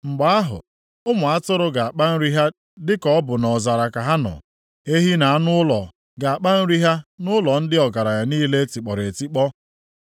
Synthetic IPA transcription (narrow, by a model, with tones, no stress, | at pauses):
ŋ͡m̩˨ɡ͡ba˨a˦ɦʊ̰˨ | ʊ˦mʊ˨a˦tʊ˦ɾʊ˦ɡa˨a˨k͡pa˦n̩˦ɾi˦ɦa˦ | dɪ˦kɔ˦ɔ˦bʊ˨nɔ˨za˨ɾa˨ka˨ɦa˦nɔ̰˨ | e˦ɦi˦na˨a˦nʊ˦ʊ˦lɔ̰˨ | ɡa˨a˨k͡pa˦n̩˦ɾi˦ɦa˦nʊ˦lɔ˨n̩˦dɪ˦ɔ˨ɡa˨ɾa˨ja˨niː˦le˦ti˨k͡pɔ˨ɾe˨ti˦k͡pɔ˦